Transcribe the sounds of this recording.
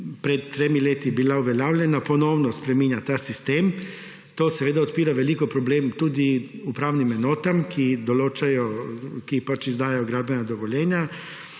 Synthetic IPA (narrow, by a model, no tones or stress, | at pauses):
pɾɛt̪t̪ːɾeːmileːt̪ibilauʋɛljaːwlʲjɛnapɔnɔwnɔspɾɛmiːnjat̪aːsist̪eːm | t̪oːsɛʋeːd̪aɔt̪piːɾaʋɛlikɔpɾɔbleːmt̪uːd̪iupɾaːwnimɛnoːt̪amkʰid̪ɔloːt͡ʃajɔkipat͡ʃizd̪aːjɛjɔɡɾaːbɛnad̪ɔʋɔlʲjɛːnja